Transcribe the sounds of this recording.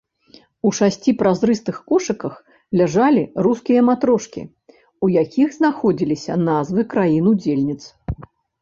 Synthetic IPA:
uʂasʲt͡sʲipɾazɾɨst̪ɨxkɔʂɨkɐx | lʲaʐalʲiɾuskʲijɐmat̪ɾɔʂkʲḭ | ujakʲiɣznaxɔd͡zʲilʲisʲɐ̰nazvɨkɾajinud͡zʲelʲnʲit̪s

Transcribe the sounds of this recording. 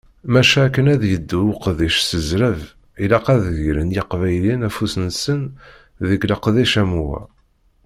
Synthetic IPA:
mæʃæːkːənæðjəd̪ːuwqðiʃsəzɾəv | ilæqæðɣɾənjiqvæjlinæfusənsən | ðəɡləqðiʃæmuwæ̰

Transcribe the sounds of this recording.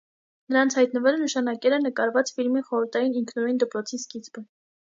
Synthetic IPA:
nəɾɑnt͡sʰhɑjt̪̚nəvɛlənəʃɑnɑkɛlɛnəkɑɾvɑt͡sfilmiχɔɾəɾt̪ʰɑjiniŋkʰnujnd̪əpɾɔt͡sʰiskit͡sbə

